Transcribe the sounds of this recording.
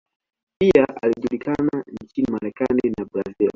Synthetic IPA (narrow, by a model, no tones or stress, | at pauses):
piaʔa̰liʄulikanant͡ʃinimaɾɛkaninabɾazil